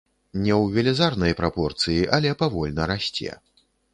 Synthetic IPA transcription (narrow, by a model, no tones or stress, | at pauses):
nʲɛwvʲɛlʲɛzarnɐjpɾapɔrt̪sɨjiʔɐlʲɛpavɔlʲnɐɾasʲt͡sʲɛ̰